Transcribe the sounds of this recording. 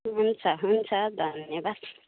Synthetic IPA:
ɦunt͡sʰʌɦunt͡sʰʌd̪ʱʌnjʌbad̪̥

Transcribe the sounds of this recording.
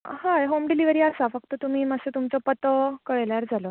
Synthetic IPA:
haɦomɖiliʋəɾiːasafək̚t̪ət̪um̤iːməset̪umt͡sɔpət̪əkəɭeljaɾd͡zalo

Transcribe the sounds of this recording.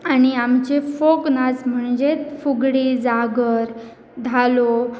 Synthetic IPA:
añiamt͡ɕefoknad͡zm̤əɳd͡ʑet̪fuɡɽiːd͡zaɡəɾ | d̪ʱalo

